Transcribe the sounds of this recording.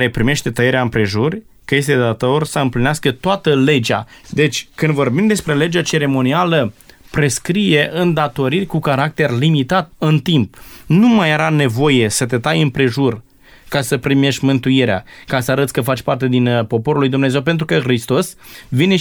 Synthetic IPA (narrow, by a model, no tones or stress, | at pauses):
ɾe̞pɾime̞ʃt̪e̞t̪əjeɾeaɨmpɾe̞ʒurʲ | kəje̞s̬t̪e̞d̪at̪o̞rsəɨmplineaskət̪oat̪əle̞d͡ʒa̰d̪e̞t͡ʃʲkɨnd̪vo̞rbimd̪e̞spɾe̞le̞d͡ʒat͡ʃe̞ɾe̞mo̞nialə | pɾe̞skɾije̞ʔɨnd̪at̪o̞ɾirʲkukaɾak̚t̪e̞rlimit̪at̪̚ɨnt̪imp̚numajeɾane̞vo̞je̞sət̪e̞t̪ajɨmpɾe̞ʒur | kasəpɾime̞ʃt̪ʲmɨnt̪uiɾea̰kasəaɾət̪sʲkəfat͡ʃʲpart̪e̞d̪inpo̞po̞ɾulujd̪umne̞zewp̬e̞nt̪ɾukəxɾist̪o̞svine